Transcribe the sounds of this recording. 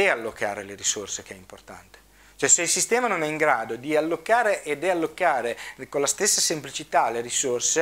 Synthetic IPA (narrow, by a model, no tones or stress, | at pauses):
ealːoka̰ːɾeleɾisorsek̟eɛimport̪a̰nt̪e̥ | t͡ʃoɛseilsist̪ɛːmanonɛiŋɡɾaːd̪od̪ialːokːaːɾeʔed̪ealːokːaːɾekonlast̪esːasemplit͡ʃit̪aleɾisorse